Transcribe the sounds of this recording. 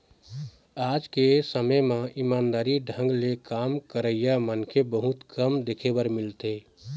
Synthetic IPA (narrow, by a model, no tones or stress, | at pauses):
aːd͡ʒkesəməjmãimaːnd̪aːɾiɖʱə̃ŋɡlekaːmkəɾəijamənkʰebəɦut̪kəmd̪ekʰebəɾmɪlt̪e